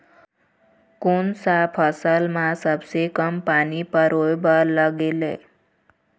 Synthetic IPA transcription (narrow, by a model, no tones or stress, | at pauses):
kunsapʰʌsəlmasʌbsekʌmpanipʌɾojbʌlʌɡelḛ